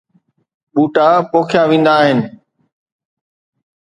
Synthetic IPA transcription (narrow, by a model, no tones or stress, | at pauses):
ɓuːʈaːpoːkʰjãːʋĩːnd̪aːɦɪnɪ